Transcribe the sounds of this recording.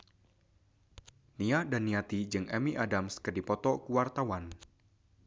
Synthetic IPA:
niahdanːiat̪id͡ʒɨŋʔɛmiʔadamskɨdipɔt̪ɔkuwart̪awan

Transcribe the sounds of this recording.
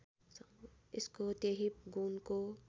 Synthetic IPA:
sɪskot̪eɦiɡunko

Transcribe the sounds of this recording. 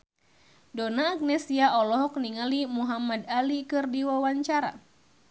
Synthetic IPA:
dɔnaːk̚nɛsiaʔɔlɔɦɔk̚niŋalimuɦamadalikɨrdiwawaɲt͡ʃaɾa̰

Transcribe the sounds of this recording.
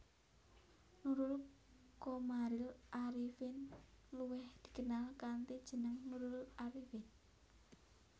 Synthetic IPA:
nuɾʊl | komaɾɪlʔaɾifɪnluwɪhd̪̥i̥̤kənalkant̪id̥ʒ̥ənəŋnuɾʊlaɾifɪn

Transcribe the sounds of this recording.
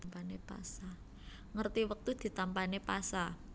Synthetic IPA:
mpanepa̰sa | ŋərt̪iwək̚t̪ud̪̥i̤t̪ampanepasa

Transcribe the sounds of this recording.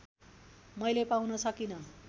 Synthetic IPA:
mʌjlepawnʌsʌkinʌ

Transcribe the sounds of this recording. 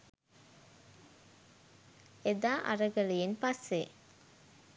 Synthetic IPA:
ed̪aːʔa̰ɾəɡəlejenpasːe

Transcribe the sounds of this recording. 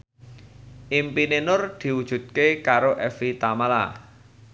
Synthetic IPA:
ʔimpinenʊrd̪̥i̤wud̥ʒ̥ṳt̪̚kekaɾoʔɛfit̪amala

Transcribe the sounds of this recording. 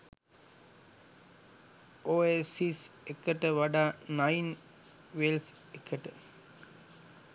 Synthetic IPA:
oːesisekəʈəʋaɖaːnajn | ʋels | ekʰəʈə

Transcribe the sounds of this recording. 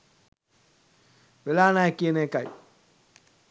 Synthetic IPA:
ʋelaːnakːienekaj

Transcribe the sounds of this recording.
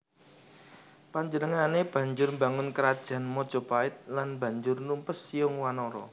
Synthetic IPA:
paɲd͡ʒənəŋaneb̥ä̤ɲd͡ʒʊrmbaŋʊnkəɾad̥ʒ̥a̤nmɔd̥ʒ̥ɔ̤paɪt̪̚lanba̤ɲd͡ʒʊrnumpəsijʊŋwanɔɾɔ̰

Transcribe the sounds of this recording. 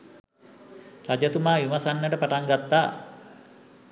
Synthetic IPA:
ɾad͡ʒat̪umajumasanːəʈəpaʈaŋɡat̪ːa

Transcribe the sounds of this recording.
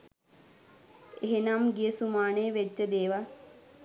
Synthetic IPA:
eɦenamɡijəsumaːneʋed͡ʒːəd̪eːʋa

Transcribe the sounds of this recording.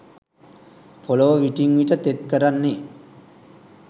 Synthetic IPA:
pʰoloʋəʋiʈiŋʋiʈət̪et̪̚kəɾanːe

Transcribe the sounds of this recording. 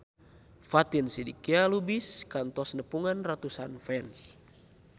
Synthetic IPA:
fat̪insidikialubiskant̪ɔsnəpuŋanrat̪usanfɛns

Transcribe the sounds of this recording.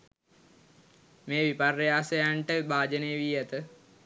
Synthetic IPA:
meːʋiparːejaːsəjaɳʈəbaːd͡ʒəneːʋiːæt̪ə

